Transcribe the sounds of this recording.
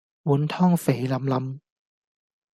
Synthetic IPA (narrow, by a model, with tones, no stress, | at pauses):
wuː˨˥nt̪ʰɔː˥ŋfe˨˩jlɐ˨˧˥mlɐ˨˥m